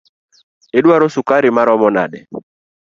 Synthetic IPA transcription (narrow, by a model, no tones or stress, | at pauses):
eɗuaɾɔsukaɾimaɾɔmɔna̰ɗɛ